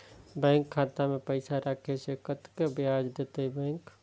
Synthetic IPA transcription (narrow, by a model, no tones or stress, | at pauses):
bɛ̃ːŋkʰːaːt̪amẽpəɪsaɾʔakʰesekət̪kebjaːd͡ʒd̪et̪eibɛ̃ːŋk